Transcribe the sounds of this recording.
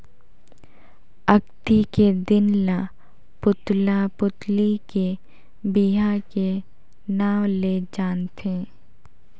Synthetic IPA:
əɡt̪iked̪ɪnla | pʊt̪lapʊt̪like | biɦake | naːwled͡ʒaːnt̪ʰẽː

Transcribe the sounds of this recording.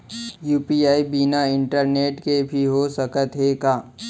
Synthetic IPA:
juːpiaːibinaɪ̃ɳʈəɾneːʈkebʱiɦosəkət̪ɦeːkaː

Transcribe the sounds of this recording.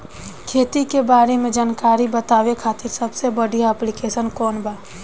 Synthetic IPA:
kʰeːt̪ikebaːɾemẽd͡ʒaːnkaːɾibət̪aːʋekʰaːt̪ɪɾsəbsebəɽijaɛplɪkeːsənkɔːnbaː

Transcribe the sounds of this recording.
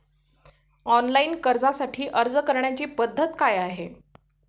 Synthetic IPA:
ɔnlainkəɾd͡zasaʈʰiːʔəɾd͡zəkəɾɳjat͡ɕiːpəd̪ʱːət̪kajaɦe

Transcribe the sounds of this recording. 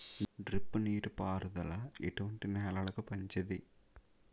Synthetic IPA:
ɖɾipːɨniːʈupaːɾud̪ɐlɐeʈuʋɐɳʈinɛːlɐlɐkupɐɲt͡ʃɐd̪i

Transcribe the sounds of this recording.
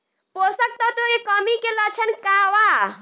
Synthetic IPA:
posək̚t̪ɔt̪oekɔmikelət͡ʃʰənkaʋa

